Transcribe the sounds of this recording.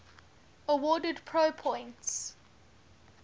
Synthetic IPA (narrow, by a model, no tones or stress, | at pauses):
əwɔːdədpʰɹoʊpʰɔ̃ɪ̃nts